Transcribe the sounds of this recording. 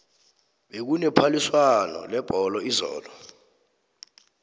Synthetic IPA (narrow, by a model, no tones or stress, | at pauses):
ɓek̬unɛpʰaliswanɔ̰lɛb̥ʱɔlɔizɔ̰ːlɔ